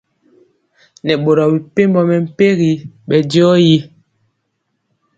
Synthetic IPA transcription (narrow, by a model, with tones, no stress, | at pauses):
nɛ˨ɓo˨ɾɔ˨bi˨pe˦m˦bɔ˦mɛ˨m̩˨pe˦ɣi˨ɓɛ˨djɔ˦ji˦